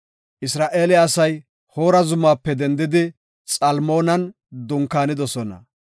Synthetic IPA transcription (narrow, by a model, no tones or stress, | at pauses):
ʔɪsɾaːʔe̞ːlɛɐsɐj | ho̞ːɾɐzʊmaːpːɛd̪ɛnd̪ɪd̪ɪ | t͡sʼɐlmo̞ːnɐn | d̪ʊŋkːaːnɪd̪ɔsɔnɐ̰